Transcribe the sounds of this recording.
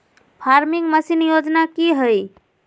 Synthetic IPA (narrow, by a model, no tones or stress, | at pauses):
pʰaɾmiŋɡməsinjod͡ʒnakiɦəj